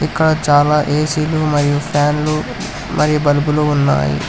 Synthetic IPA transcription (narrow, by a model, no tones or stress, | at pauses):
ikːɐɽɐt͡ʃaːlaːʔeːsiːlumɐɾijupʰaːnlu | mʔɐɾijubɐlubuluːunːa̰ːjḭ